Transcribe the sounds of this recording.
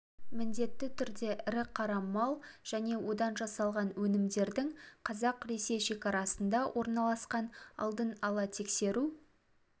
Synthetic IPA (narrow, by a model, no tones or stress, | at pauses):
mɪnd̪e̞t̪ːɪt̪ʰʏɾd̪e̞ʔɪɾɪqʰɑɾɑmɑlˠʒ̥æne̞wo̞d̪ɑnʒɑsɑlˠʁɑnwɵnɪmd̪e̞ɾd̪ɪŋqʰɑzɑqɾe̞se̞jʃe̞kʲɑɾɑsənd̪ɑwʔo̞ɾnɑlˠɑsqɑnɑ̰lˠd̪ənɑlˠɑt̪ʰe̞kse̞ɾu